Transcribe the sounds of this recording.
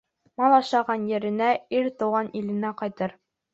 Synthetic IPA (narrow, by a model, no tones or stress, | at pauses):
mɑlˠɑʃɑʁɑnjɘ̆ɾɘ̆næiɾt̪ŭʁɑnilɘ̆næqɒjt̪ɤɾ